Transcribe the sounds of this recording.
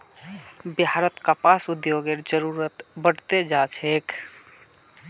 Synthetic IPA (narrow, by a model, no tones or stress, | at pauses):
biɦaɾət̪kapasud̪joɡeɾd͡ʒəɾuɾət̪bəɽt̪ed͡ʒat͡ʃʰek